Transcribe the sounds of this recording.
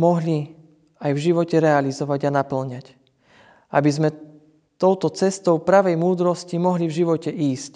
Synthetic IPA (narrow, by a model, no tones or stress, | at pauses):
mɔɦli | ajvʒiʋɔcɛɾɛalizɔʋaɟanapl̩ɲac | ʔa̰bizmɛ | t̪ɔʊt̪ɔt͡sɛst̪ɔʊpɾaʋɛjmuːd̪ɾɔscimɔɦlivʒiʋɔcɛʔiːsc